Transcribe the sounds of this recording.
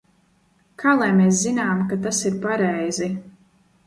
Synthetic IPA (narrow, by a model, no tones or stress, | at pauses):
kʰaːlˠajmeːs̬zinaːmkat̪asiɾpaɾɛjzi